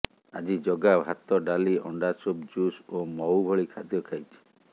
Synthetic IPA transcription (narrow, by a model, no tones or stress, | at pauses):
a̰d͡ʒid͡ʒɔɡabʱat̪ɔɖaliɔ̰ɳɖasub̚d͡ʒusomɔwbʱɔɭikʰad̪jɔkʰajt͡ʃʰi̥